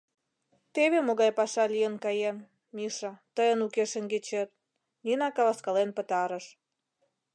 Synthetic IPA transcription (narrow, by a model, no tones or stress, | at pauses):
t̪eβemoɣɑjpɑʃɑlʲijənkɑjen | miʃɑt̪əjənukeʃənɡet͡ɕet̪̚ | ninɑkɑβɑskɑlenpət̪ɑɾəʃ